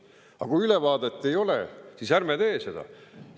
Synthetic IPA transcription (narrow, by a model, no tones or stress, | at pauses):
ɑ̰kujylevɑːd̪et̪ːˑe̞jo̞lḛsiːsærmet̪e̞ːse̞d̪̥ɑ̰